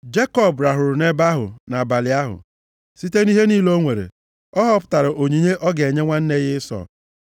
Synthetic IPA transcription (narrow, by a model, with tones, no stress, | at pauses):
d͡ʒe˦kɔ˦˨bɾa˨ɦʊ˨ɾʊ˨ne˦ba˦ɦʊ̰˨na˨ba˨lɪ˨a˦ɦʊ̰˨ | si˦te˦ni˦ɦe˦niː˦lo˦ŋʷe˨ɾḛ˨ | ɔ˦ɦɔ˦pʊ̥˦ta˨ɾa˨ʔo˨ɲi˨ɲe˦ʔɔ˦ɡe˨ɲe˦ŋʷa˦n̩˦ne˦ɣɪ˦sɔ̰˨